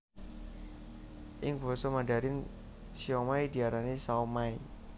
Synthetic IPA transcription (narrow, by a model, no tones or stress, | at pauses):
ʔɪŋbɔ̤sɔmaɖa̤ɾɪn | siɔmaid̪̥i̤aɾanisaomai